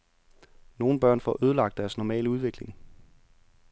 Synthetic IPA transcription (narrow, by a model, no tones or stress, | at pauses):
no̝ːn̩b̥ɶɐ̰nfɒ̰ʔøːð̞ˠəlɑ̈ɡ̥̚d̥æɐsnɒmɛ̰ːləuð̞ˠʋe̝ɡ̥le̝ŋ